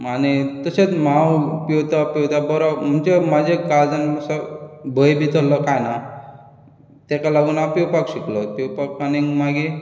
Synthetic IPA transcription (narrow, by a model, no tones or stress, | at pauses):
añit̪əset͡smãwpiwt̪apiwt̪abɔɾɔm̤ənt͡ɕemad͡ʑʱekald͡zanməsɔbʱəjbʱit̪əlɔkajna | t̪ekalaɡuːnapiwpakɕiklɔt̪iwpak̚paniŋɡmaɡi